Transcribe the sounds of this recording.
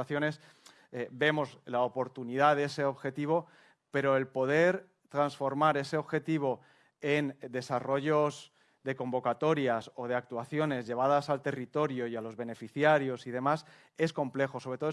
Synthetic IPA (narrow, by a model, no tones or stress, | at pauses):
aθjo̞ne̞s | ebe̞mo̞zlaopo̞ɾt̪uniðað̞e̞se̞o̞βxe̞t̪iβ̞o̞ | pe̞ɾo̞e̞lpo̞ð̞e̞ɾ | t̪ɾansfo̞ɾmaɾe̞se̞o̞βxe̞t̪iβ̞o̞ | e̞nd̪e̞saro̞ʝo̞z | ðe̞ko̞mbo̞kat̪o̞ɾjaso̞ð̞e̞ak̚t̪waθjo̞ne̞zʝe̞β̞að̞asalt̪e̞rit̪o̞ɾjo̞ialo̞zβe̞ne̞fiθjaɾjo̞sið̞e̞mas | e̞sko̞mple̞xo̞so̞β̞ɾeo